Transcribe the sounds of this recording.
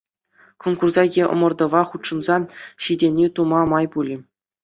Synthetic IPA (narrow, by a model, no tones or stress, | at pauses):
konkurzɑɡʲeʔɤ̰̆mɤ̆rd̪ɤ̆ʋɑχut̪ʂɤ̆nzɑnɕidʲenʲit̪umɑmɑjpulʲi